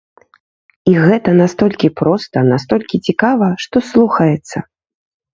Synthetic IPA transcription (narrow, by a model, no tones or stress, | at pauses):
iɣɛt̪ɐnast̪ɔlʲkʲipɾɔst̪ɐnast̪ɔlʲkʲit͡sʲikavɐʂt̪ɔslˠuxɐjɛt̪sːɐ